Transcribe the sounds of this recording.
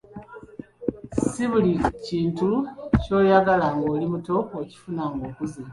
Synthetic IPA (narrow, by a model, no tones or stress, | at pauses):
siβuliciːntuco̞ːjaɡalaŋɡo̞ːlimuto̞koci̥funaŋɡo̞ːkuzi